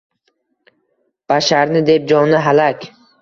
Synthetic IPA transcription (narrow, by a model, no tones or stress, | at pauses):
b̥aʃaɾnɪd̪e̞p̚d͡ʒɒnɪɦalakʲ